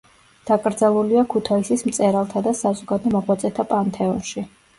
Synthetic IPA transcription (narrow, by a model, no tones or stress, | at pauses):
d̪̥akʼɾd̪zalˠuliakʰut̪ʰaisismt̪sʼɛɾalˠt̪ʰad̪asazɔɡad̪ɔmɔʁwat̪sʼɛt̪ʰapʼant̪ʰɛɔnʃi